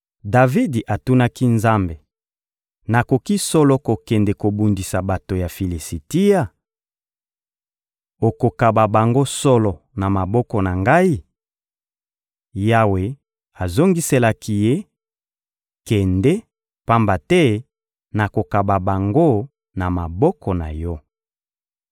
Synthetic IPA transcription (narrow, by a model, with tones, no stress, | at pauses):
da˨vi˦di˨ʔa˨tu˦na˦ki˦nza˦mbe˨ | na˨ko˨ki˦sɔ˦lɔ˦ko˨kɛ˨ndɛ˨ko˨bu˨ndi˨sa˨ba˨to˨ja˨fi˨li˨si˨ti˦ja˦˨ | o˨ko˨ka˨ba˨ba˨ŋɡo˦sɔ˦lɔ˨na˨ma˨bɔ˦kɔ˨na˨ŋɡa˦i˦ | ja˦we˨ | a˨zo˦ŋɡi˦se˦la˨ki˨je˦ | kɛ˨ndɛ˦ | pa˦mba˨tɛ˦ | na˨ko˨ka˨ba˨ba˨ŋɡo˦ | na˨ma˨bɔ˦kʰɔ˨na˨jɔ˦